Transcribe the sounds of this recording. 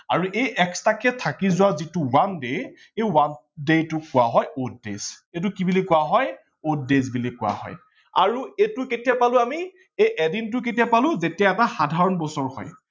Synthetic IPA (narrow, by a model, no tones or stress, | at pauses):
aɹuʔejʔɛkstakɛtʰakizʊwazitʊwandej | ejwan | dejtʊkʊwaɦɔjot̚dḛzetʊkibilikʊwaɦɔj | ot̚dezbilikʊwa̰hɔ̰j | a̰ɹuetʊketiapalʊ̃ami | ejʔɛdint̬ʊk̬etijapalʊ̃zetijaɛtaxadʱaɹɔnbɔsɔɹhɔ̰j